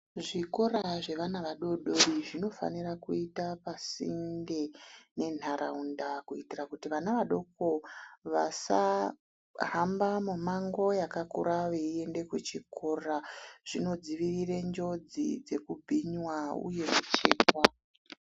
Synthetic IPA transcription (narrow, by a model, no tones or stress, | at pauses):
ʐikoɾaʐe̞ʋanaʋaɗo̞ɗo̞riʐino̞fa̰nirakuitapasḭndene̞n̤aɾa̰undakuitirakutiʋanaʋaɗo̞ko̞ʋasa | ɦambamumaŋɡo̞jakakṵɾaʋeie̞nde̞kwet͡ʃiko̞raʐ̥ino̞d͡ziʋirire̞ɲd͡ʒo̞d͡zḭd͡ze̞kubʱiɲwaṵje̞mut͡ʃe̞̰ːkwa